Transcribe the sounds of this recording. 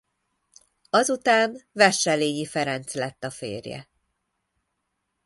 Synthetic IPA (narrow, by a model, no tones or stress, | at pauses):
ɒzut̪aːnvɛʃɛleːɲifɛɾɛnt̪slɛt̪ːɒfḛːrjɛ̰